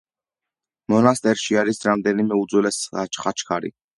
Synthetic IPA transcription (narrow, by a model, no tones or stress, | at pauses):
mɔnast̪ʼɛɾʃiaɾisɾamd̪ɛnimɛud̪zwɛlɛsat͡ʃʰχat͡ʃʰkʰaɾḭ